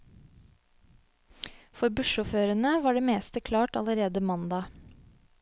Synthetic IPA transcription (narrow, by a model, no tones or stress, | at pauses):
fɔɾbʉʃʊːføːɾənəʋɑːɖeːmeːst̪əkʰlɑːʈɑləɾeːd̪əmɑnd̪ɑː